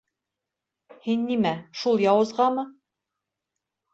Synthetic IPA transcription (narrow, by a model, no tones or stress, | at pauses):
hinːimæʃulˠjɑwɤ̆zʁɑmɤ